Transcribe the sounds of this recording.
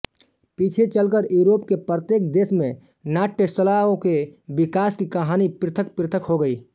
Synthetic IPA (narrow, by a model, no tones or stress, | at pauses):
piːt͡ʃʰet͡ʃəlkəɾjuːɾoːpkepɾət̪jeːk̚d̪eːsmẽ | naːʈːesəlaːõkebɪkaːskikɐɦaːnipɾɪt̪ʰək̚pɾɪt̪ʰəkɦoɡəiː